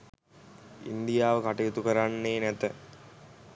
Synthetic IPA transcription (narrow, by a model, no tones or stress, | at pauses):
ḭnd̪ijaːʋəkaʈijɐt̪ukɐɾanːeːnɛt̪ə